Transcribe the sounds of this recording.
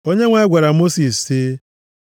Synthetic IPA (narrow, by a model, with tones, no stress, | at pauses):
o˦ɲe˦ŋʷe˦ɡʷa˨ɾa˨mo˦si˨ssi˦